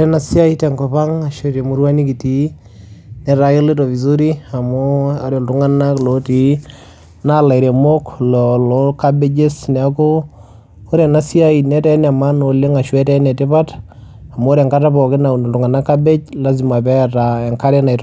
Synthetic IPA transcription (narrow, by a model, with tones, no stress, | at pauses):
ɾɛ˦na˦si˦a˦itɛŋkɔ˨pa˦ŋa˨ʃe˦te˨mu˦ɾwa˦ni˦ki˨ti˨˦ | nɛ˨ɾa˦jɪ˦lɪ˦tɔ˨vi˨zo˦ɾi˦a˨mo˦a˦ɾo˨ltu˦ŋa˦nakloti˨ | na˦la˨jɾe˨mo˦klɔ˨lo˦ka˦be˦d͡ʒe˦snɛ˨a˦ko˦ | o˦ɾɛ˨na˦si˦a˦inɛ˦tɛ˦na˨ma˦no˨lɪ˦ŋa˨ʃwɛ˦tɛ˦nɛ˨tɪ˦pa˦t | a˨m˦o˦ɾɛ˨ŋka˦ta˦pɔ˨kɪ˦na˨tu˨ŋa˨na˦kːa˦be˦t͡ʃla˦zi˨ma˨pɛ˦ta˨ɛ˨ŋka˦ɾɛ˦na˨t